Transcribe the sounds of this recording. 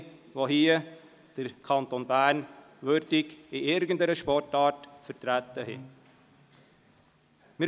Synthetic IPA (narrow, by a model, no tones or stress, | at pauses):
ʋoɦiːə | d̥əɾkʰɑnt̪onbæɾn | ʋøɾdɪkɪɪɾɡən̩dəɾəʃpɔrtɑːtfəɾtɾæt̪ːəhɪ̰ | mɪ